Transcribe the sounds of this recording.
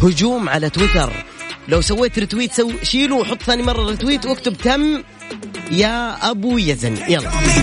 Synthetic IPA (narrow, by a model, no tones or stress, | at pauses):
hʊd͡ʒuːmʕalat̪wɪt̪ɑ̰ɾˤlawsawːeːt̪ɾɪt̪wiːt̪sawʃiːluwħʊt̪ˤːθaːnimɑrˤːɑɾɪt̪wiːt̪wɪkt̪ʊbt̪amː | jaʔabujazɪnjalˤːɑ